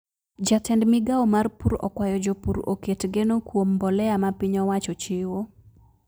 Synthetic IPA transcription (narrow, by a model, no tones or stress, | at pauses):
d͡ʒatʰɛndmiɡaomarpuɾɔ̰kwajɔd͡ʒopuɾo̰ketɡenokwombɔlɛamapiɲɔwat͡ʃɔt͡ʃɪwo